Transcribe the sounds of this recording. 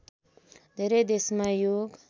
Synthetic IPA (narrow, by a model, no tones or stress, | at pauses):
d̪ʱeɾʌjd̪esmajoɡ